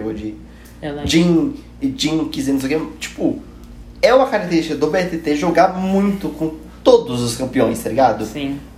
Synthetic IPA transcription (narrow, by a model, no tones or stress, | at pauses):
od͡ʒɪ | d͡ʒĩ | d͡ʒĩkizẽnseket͡ʃi̥pʊ | ɛũmɐkaɾak̚t̪eɾisʃt͡ʃikɐd̪ʊbeɛt̪et̪eʒoɡamũj̃t̪ʊkõ | t̪od̪ʊzʊskɐ̃mpiõj̃st̪aliɡad̪ʊĩ